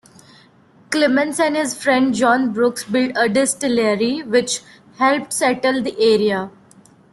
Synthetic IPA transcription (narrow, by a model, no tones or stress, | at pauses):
klɪmə̃nsɛ̃nɦɪzfɾɛ̃ɳɖd͡ʒɔ̃ːnbɾʊksbɪlʈəɖɪsʈɪleɾiʋɪt͡ʃ | hɛlp̚ʈsɛʈəld̪iʔeːɾia